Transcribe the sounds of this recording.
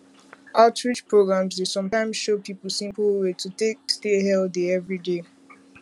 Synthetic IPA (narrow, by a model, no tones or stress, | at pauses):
ʔaʊtɹit͡ʃpʰɹoɡɹãmzdesʌ̃mtãɪ̃mz̥ʃopʰipl̩ˠsĩmpl̩ˠwetʰətek̚steɦɛldeɛvɹide